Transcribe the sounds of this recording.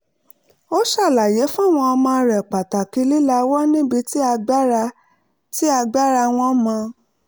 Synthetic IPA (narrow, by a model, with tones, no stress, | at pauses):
o˦ʃa˦˨la˨je˨˦fũ˦a˦˨w̃ɔ̃˧ɔ˧mãː˧ɾɛ˨k͡pa˨ta˨ki˧˦li˦la˧wɔ˦nĩ˦bi˧ti˦a˧ɡ͡ba˦ɾa˧ | ti˦a˧ɡ͡ba˦ɾa˧w̃ɔ̃˧˦mã˧